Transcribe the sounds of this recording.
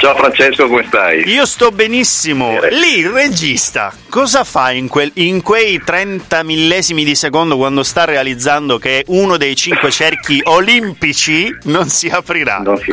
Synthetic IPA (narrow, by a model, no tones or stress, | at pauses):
t͡ʃaofɾant͡ʃeskokomest̪ajiːost̪ɔbenisːimolired͡ʒist̪a̰ | kɔːzafaiŋkweiŋkwejt̪ɾɛnt̪amilːɛːzimid̪isekond̪okwand̪ost̪arːealid̪zːand̪okeʔunod̪ejt͡ʃiŋkwet͡ʃɛrk̟iʔolimpit͡ʃinonsiapɾiɾa̰nons